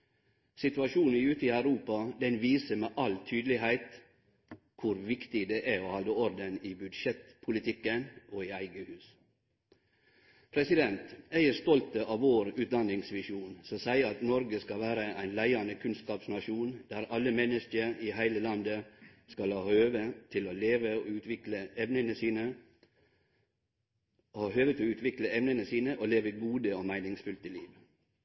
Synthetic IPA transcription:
sɪt̪ʉɑʃuːn̩ʉːt̪əɪæʉɾuːpɑd̪ɛnʋiːsəmeːʔɑlt̪ʰyːd̪lɪɦæɪt̪ | kʰʊɾʋɪkt̪ɪd̪eʔæɔhɑld̪əɔɾd̪ənɪbʉd̪ʂɛt̪pʰʊlɪt̪ʰɪkːənoɪæɪɡəhʉːs | pʰɾɛsɪd̪ɛnt̪æɪəɾst̪ɔlt̪əʔɑːʋʋoːɾʉːt̪̚d̪ɑnːɪŋsʋɪʃuːnsɔsæɪɾɑt̪nɔɾɡəskɑʋæːɾəʔæɪnlæɪɑnəkʰʉnskɑːpsnɑʃuːnd̪̥æːɾɑlːəmɛnːəskəɾihæɪləlɑnd̪əskɑlɑhøːʋət̪ʰɪloleːʋəʉːt̪ʋɪkləɛʋnənəsiːnə | ɑhøːʋət̪ʰɪɔʉːt̪ʰʋɪkləɛʋnənəsiːnəʔoleːʋəɡuːd̪əomæɪnɪŋsfʉlt̪əliːʋ

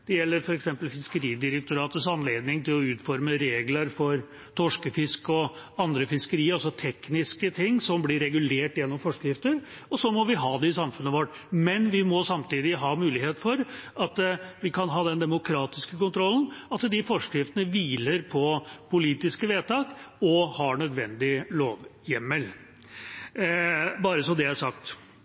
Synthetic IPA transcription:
d̪̥ɛjɛlːəɾfɔɾɛksɛmpəlfɪskəɾiːd̪ɪɾək̚t̪ʊɾɑːt̪əsɑnleːd̪nɪŋt̪ʰɪlɔʉːt̪fɔɾməɾeːɡlɑɾfɔɾ | t̪ʰɔʂkəfɪskɔɑnd̪ɾəfɪskəɾiːəɑsɔt̪ʰɛknɪskət̪ʰɪŋːsɔmblɪɾɛɡʉleːʈjɛnːɔmfɔʂkɾɪft̪əɾ | ɔsɔmɔʋɪɦɑːd̪ɛɪsɑmfʉnːəʋɔʈː | mɛnʋɪmɔsɑmt̪iːd̪ɪɦɑːmʉːlɪheːt̪fɔɾʔɑt̪ʋɪkɑnɦɑːd̪ɛnd̪ɛmʊkʰɾɑːt̪ɪskəkʊnt̪ʰɾɔln̩ɑt̪d̪ɪfɔʂkɾɪft̪ənəʋiːləɾpʰɔpʰʊliːt̪ɪskəʋeːt̪ɑːkɔhɑɳœd̪ʋɛ̰nd̪ɪloːʋjɛmːəl | bɑːɾəsɔd̪ɛæʂɑkt̪

